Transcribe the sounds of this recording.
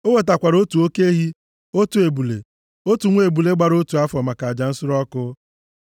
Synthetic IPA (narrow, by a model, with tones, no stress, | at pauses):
o˦we˨t̬a˨kʷa˨ɾo˦tu˨o˦ke˦ɦi˦ | o˦tu˨e˨bu˨lḛ˨ | o˦tu˨ŋʷ˦e˨bu˨le˦ɡ͡ba˨ɾo˦tu˨a˦fɔ˨ma˨ka˨d͡ʒa˨n̩˦sʊ˦ɾɔ˦kʊ˦